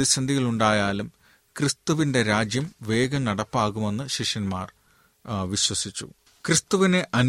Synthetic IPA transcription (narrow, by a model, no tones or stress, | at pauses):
ðiɕɐnd̪ʱiɣɐɭuɳɖaːjaːlum | krɨst̪uʋinde̞ɾaːd͡ʑjɐmʋe̞ːɡɐmnɐɽɐpːaːɣume̞nːɨɕiʂjɐnmaːr | ʋiɕwɐsit͡ɕːṵ | krɨst̪uʋine̞ʔɐn